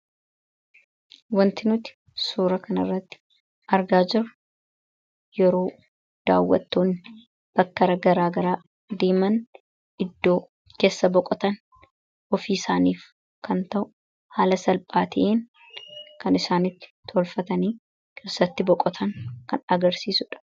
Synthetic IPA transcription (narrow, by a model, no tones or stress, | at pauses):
wɐnt̪ɪnʊt̪ɪ̥ | suːɾɐkʰɐnɐrːɐt̪ːɪ̥ | ʔɐɾɡaːd͡ʒɪɾɐ | jɛɾo̞ː | d̪̥a̰ːwːɐ̰t̪ːoːnːɪ | b̥ɐkːɐɾɐɡɐɾaːɡɐɾaː | d̪eːmɐn | ɪd̪ːo̞ː | ke̞ːsːɐbɔkʼːɔt̪ɐn | ʔɔfiːsaːniːf | kɐnt̪ɐʔʊ̥ | haːlɐsɐlpʼaːt̪ɪʔen | kɐnɪsaːnɪt̪ːɪ̥t̪ːʰɔlfɐt̪ɐniː | kʰe̞ːsːɐt̪ːɪbɔkʼɔt̪ʰɐŋkɐnɐɡɐɾsiːsʊᶑɐ̥